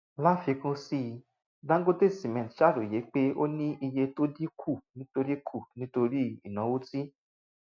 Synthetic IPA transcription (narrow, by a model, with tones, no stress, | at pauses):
la˦fi˧kũ˦si˧ | dã˦ɡo˦te˦˨si˨mɛ̃˨tʃa˦˨ɾu˨je˨˦k͡pe˦o˦nĩ˦i˧je˧to˦di˦kʰu˦˨nĩ˨˦to˧ɾi˦kʰu˦˨nĩ˦to˧ɾi˦i˦˨nã˨˦wo˦ti˦